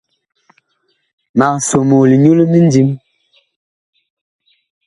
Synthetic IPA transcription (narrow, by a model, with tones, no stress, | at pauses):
ma˨so˨mo˨li˨ɲu˦le˦mi˦n˦di˦m